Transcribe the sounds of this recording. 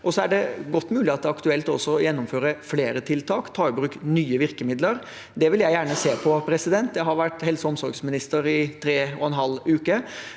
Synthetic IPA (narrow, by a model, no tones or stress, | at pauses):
ɔsɔæɖɛɡɔt̪ːmʉːlɪɑt̪̚ɑkt̪ʉɛlt̪ɔsːɔjɛnːʊmføːɾəfleːɾət̪ʰɪlt̪ʰɑːkt̪ʰɑːɪbɾʉːknyːəʋɪɾkəmɪd̪ləɾ | d̪ɛʋɪljæɪjæːɳəseːpʰɔpʰɾɛsɪd̪ɛnt̪̚d̪ɛɦɑɾʋæʈːhɛlsɔɔmsɔɾɡsmɪnɪst̪əɾɪt̪ʰɾeːɔɛnɦɑlːʉːkə